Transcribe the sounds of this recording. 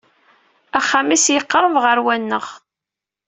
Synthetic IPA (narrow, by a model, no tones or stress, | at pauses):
æχːæmisjəqːəɾˤəvʁəɾwænːəʁ